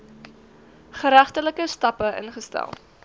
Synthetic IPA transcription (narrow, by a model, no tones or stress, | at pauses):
χəɾæχtələkəstɐpəʔə̰nχəstæ̰lˠ